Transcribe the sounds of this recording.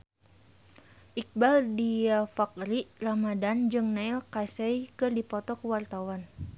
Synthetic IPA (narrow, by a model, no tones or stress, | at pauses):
ʔik̚baldiafak̚ɾiʔramadand͡ʒɨŋnailkasɛjkɨrdipɔt̪ɔkəwart̪awan